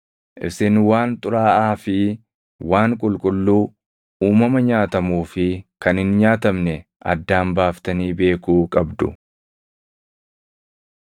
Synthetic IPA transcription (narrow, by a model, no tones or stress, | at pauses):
ʔɪ̰bsɪnwaːnt̪ʼʊɾaːʔaːfɪ | waːŋkʼʊlkʼʊlːuː | uːmɐmɐɲaːt̪ɐmuːfɪkɐnhɪnɲaːt̪ɐmnɛ | ʔɐ̰d̪ːaːmbaːft̪ɐniːbe̞ːkuːkʼɐbd̪ʊ̰